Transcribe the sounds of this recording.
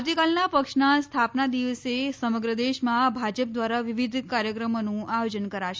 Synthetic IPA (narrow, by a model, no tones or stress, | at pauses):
wt̪ikalnapəkʂnast̪ʰapnad̪iʋəsesəməɡɾəd̪eʃmãbʱad͡ʒəp̚d̪ʋaɾaʋiʋid̪ʱkaɾjəkɾəmonũʔajod͡ʒənkəɾaʃe